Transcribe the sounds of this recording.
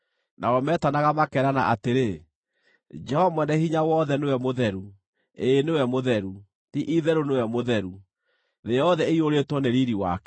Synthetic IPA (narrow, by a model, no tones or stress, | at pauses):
nʔa̰ɔmɛtanaɣamakɛɾana̰ʔateɾe | d͡ʒɛhɔmwɛnɛhiɲawɔðɛnewɛmoðɛɾu | eːnewɛmoðɛɾu | tiʔiðɛɾonewɛmoðɛɾu | ðejɔðɛeioɾetwɔneɾiɾiwa̰kɛ